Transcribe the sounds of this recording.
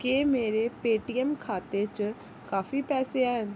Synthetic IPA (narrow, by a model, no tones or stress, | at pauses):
keːmeːɾeːpeːʈiːɛmkʰaːt̪et͡ʃ | kaːfiːpɛːseɛːɦən